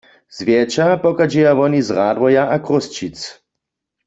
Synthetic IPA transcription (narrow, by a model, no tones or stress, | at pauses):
z̥vjɛt͡ʃapɔkad͡ʒɛjaʋɔnizʁaːdʋɔjaʔakʁost͡ʃit͡s